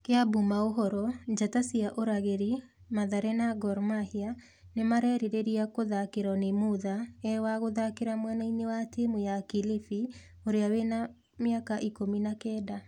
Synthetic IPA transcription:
keabumaoɦɔɾɔd͡ʒatasiaʔoɾaɣeɾi | maðaɾɛnaɡɔɾmahia | nemaɾɛɾeɾeɾiakoðakeɾanemuðaɛwaɣoðakeɾamwɛnainewatemujakilifi | oɾeawena | mjakaʔikominakɛːda

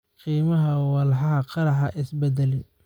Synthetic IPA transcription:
qiːmɐɦɐwɑlħɑɦɑqɑɾɑħɑʔɪsbɛd̪ɛlɪn

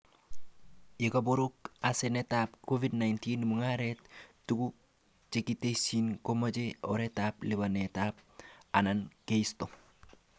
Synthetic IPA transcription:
jekaboɾukasenɛtap̚kovidnajntiːnmuŋaɾɛttuku | t͡ʃekitesinkomat͡ʃeɔɾɛtap̚libanetap̚anankeisto

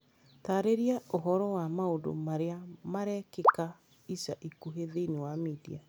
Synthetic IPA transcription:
taːɾeɾiaoɦɔɾɔwamaodo̰maɾeamaɾɛkeka | isaʔikuɦeðeinewamidḭa

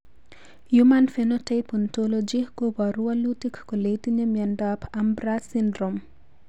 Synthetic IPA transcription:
jumanfenotejpɔntolod͡ʒiɡobaɾualutikːɔletiɲemɛndapʰambɾasindɾom

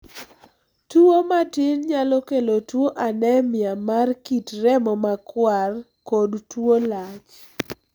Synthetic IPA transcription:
tuomatɪnɲalɔkelotwoʔanɛmɪamarkitɾɛmɔmakwar | kodtwolat͡ʃ

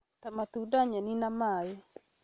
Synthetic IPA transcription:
t̪amat̪udaɲaninamajɛ

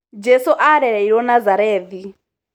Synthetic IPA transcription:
d͡ʒɛsuʔaɾɛɺɛiɾɔnazaɾɛːd̪i

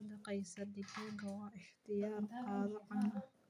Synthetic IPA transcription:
d̪ɐqɑjsɐd̪ɪkaːŋkʰɐwɑːʔɪħt̪ʰɪjaːrqɑːðɐʕɑnɐ

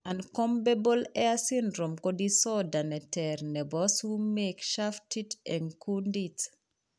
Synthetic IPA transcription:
ãnkɔ̃mbebɔlɛasĩndɾɔ̃mkɔdisɔdanɛtɛɾnɛbɔshumekʃaftʰitɛ̃nkʰundit

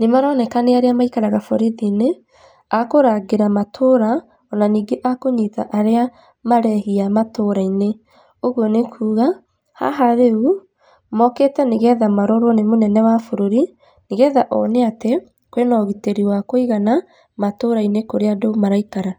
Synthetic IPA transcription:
nemaɾɔnɛkaneaɾeamaikaɾaɣafɔɾiðine | akoɾaɣeɾamatʰoːɾa | ɔnaniːɡeʔakoɲita̰ʔaɾea | maɾɛhiamatoɾaine | oɣuɔnekʰuːɣa | ha̰ɦaɾeu | mɔketɛneɣɛðamaɾɔɾonemonɛnɛwafoɾoɾi | neɣɛðaʔɔneatɛ | kwenɔɣiteɾiwakoiɣana | matoɾainekoɾeadomaɾaikaɾa

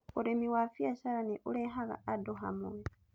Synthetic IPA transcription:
uɾemiwafjaʃaɾaniʔuleɦaɣa̰ːdoɦamue

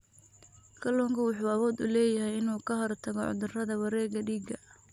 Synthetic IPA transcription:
kʰɐlɔːŋkʰɐwɑħuːɐβɔːd̪ʊ̰lɛːjɐɦɛjɪnuːkʰɐɦɔrt̪ʰɐɣɔʕɔ̰d̪ʊrɐðɐwɐɾɛːɡɐɖiːɡɐ

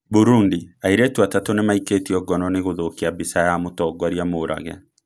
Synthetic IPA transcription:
buɾundiaiɾetwatatonemaiketiɔɡɔnɔneɣoðokiabisajamotɔɡwaɾjamoɾa̰ɣɛ̰

